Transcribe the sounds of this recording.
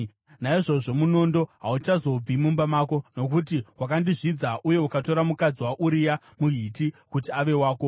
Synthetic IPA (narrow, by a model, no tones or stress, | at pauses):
naiʐo̞ʐo̞muno̞ndo̞ɦaut͡ʃazo̞b͡vimumbamaːko̞no̞kut̬iwakandiʐid͡zaʔuje̞ukato̞ɾamukad͡ziwaʔuɾija | muɦitikut̬iaʋe̞waːko̞